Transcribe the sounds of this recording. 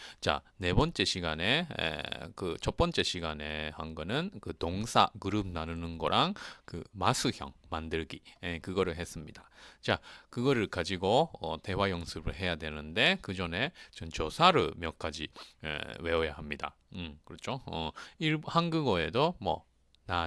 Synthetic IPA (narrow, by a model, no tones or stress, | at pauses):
t͡ɕa̰ | ne̞bʌnt͡ɕ͈e̞ɕʰiɡane̞ḛkɯt͡ɕʌp͈ʌnt͡ɕ͈e̞ɕʰiɡane̞hanɡʌnɯnkɯtoŋsʰakɯɾɯb̚nanɯnɯnɡʌɾʔaŋkɯmasʰɯçjʌ̰ŋmandɯɭɡiekɯɡʌɾɯɭɦe̞s͈ɯmɲidat͡ɕakɯɡʌɾɯɭkad͡ʑiɡoʌte̞wajʌŋsʰɯbɯɭɦe̞jadwe̞nɯnde̞kɯd͡ʑʌne̞t͡ɕʌnt͡ɕʌsʰaɾɯɭmjʌk͈ad͡ʑiḛwe̞ʌja̰ɦamɲida̰ | ɯmkɯɾʌt͡ɕʰoʌiɭhanɡɯɡʌe̞domwʌ̰ | na